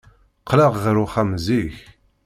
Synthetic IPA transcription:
qʰːlæʁðəɾuχæmziç

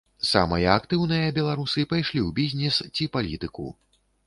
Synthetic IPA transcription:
sa̰mɐjɐːkt̪ɨwnɐjɐbʲɛlˠaɾusɨpajʂlʲiwbʲizʲnʲɛst͡sʲipalʲḭt̪ɨkṵ

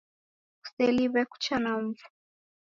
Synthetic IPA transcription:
u̥sɛliβɛku̥t͡ʃanam̩vu̥

